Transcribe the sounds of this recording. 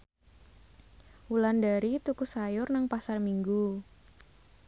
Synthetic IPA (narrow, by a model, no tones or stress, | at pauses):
ulandaɾit̪ukusajʊrnaŋpasarmiŋɡu